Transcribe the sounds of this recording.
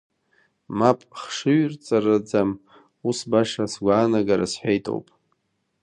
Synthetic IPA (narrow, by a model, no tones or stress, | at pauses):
mapʼχʂɨɥrt͡sʼarad͡zam | usbaʂasɡʷaːnaɡaɾa̰sħʷᶣejtʼo̰wpʼ